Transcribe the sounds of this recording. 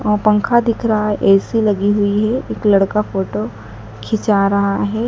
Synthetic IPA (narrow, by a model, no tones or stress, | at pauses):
ɔpɐ̃ŋkʰad̪ɪkʰɾɐɦaɦɛʔɛːsilɐɡiɦʊiɦɛeːklɐɽkafoːʈo | kʰɪt͡ʃaɾɐɦaɦɛː